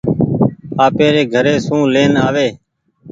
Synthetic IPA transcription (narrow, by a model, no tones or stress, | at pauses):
aːpeːɾeːɡʱəɾeːsũːleːnaːʋeː